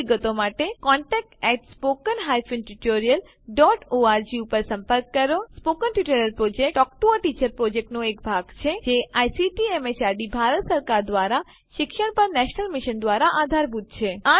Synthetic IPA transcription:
ɡət̪omaʈekɔɳʈɛk̚ʈɛʈspokənɦajfinʈuʈoɾijəl | ɖɔʈoaɾd͡ʒiupəɾsə̃mpəɾkːəɾjospokənʈiʈələɾpɾod͡ʒek̚ʈɔkʈuəʈit͡ʃəɾpɾod͡ʒek̚ʈnõekbʱaɡt͡ʃʰed͡ʒeajsiʈiemet͡ʃaɾɖibʱaɾət̪səɾkaɾd̪ʋaɾa | ʃɪkʃəɳpəɾnɛʃnəlmiʃənd̪ʋaɾaʔad̪ʱaɾbʱud̪̚t͡ʃʰea

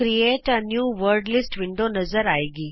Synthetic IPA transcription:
ɾieʈanjuːʋəɾɖlisʈʋiɳɖonɐzəɾaːjɡi

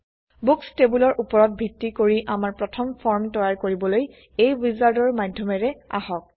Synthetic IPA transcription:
bukstebulɔɹʔupɔɹɔt̚bʱitːikoɹiʔamaɹpɹɔtʰɔmpʰɔɹmtɔjaɹkoɹibɔloj | ejwizaɹdɔɹmadʱɔmɛɹɛa̰hɔk̚

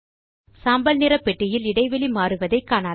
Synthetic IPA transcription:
saːmbɐlnɪɾɐpːɛʈːɪjɪlɪɽɐɪʋɛlimaːɾɯʋɐðɐɪkːaːnaː

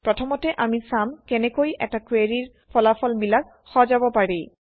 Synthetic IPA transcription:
pɹɔtʰɔmɔtɛʔamisamkɛnɛkojʔɛ̰takɹeɹiɹ | pʰɔlafʰɔlmilak̚ | xɔzabɔpaɹej

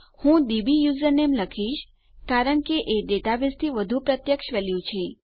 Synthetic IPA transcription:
hũd̪ibijuzəɾnemləkʰiʃ | kaɾəɳkeʔeɖeʈabest̪ʰiʋəd̪ʱũpɾət̪jəkʃʋeljũt͡ʃʰe

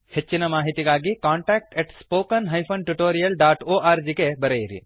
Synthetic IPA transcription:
het͡ʃːinɐmaːɦit̪iɡaːɡikaːɳʈaːk̚ʈeʈspoːkɐnɦɐjpʰɐnʈuʈoːɾijɐlɖaːʈoːʔaːɾd͡ʒikebɐɾejiɾḭ

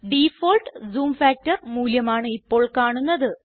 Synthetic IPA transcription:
ɖifoːlʈɨzuːmfaːk̚tːɐrmuːljɐmaːɳɨipːo̞ːɭkaːɳunːɐðɨ

